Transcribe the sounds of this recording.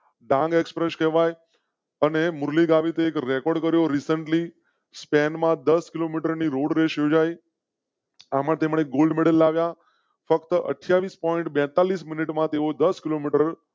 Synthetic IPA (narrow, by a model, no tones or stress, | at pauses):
ɖãŋɡekspɾeʃkɛʋaj | ənemʊɾliɡaʋit̪eːkɾekɔɾɖkəɾjoɾisəɳʈli | spɛnmãd̪əskilomiʈəɾniɾoɽɾeʃjod͡ʒaj | amãt̪emɳeɡolɖmeɽəlːaʋja | fəkt̪əʔə̰ʈʰjaʋispɔɪɳʈbɛ̃t̪alismɪniʈmãt̪eod̪əskilomiʈəɾ